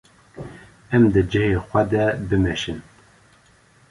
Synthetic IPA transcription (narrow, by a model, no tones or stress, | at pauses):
ɛmd̪ɨd͡ʒɛheːxʷɛd̪ɛbɨmɛʃin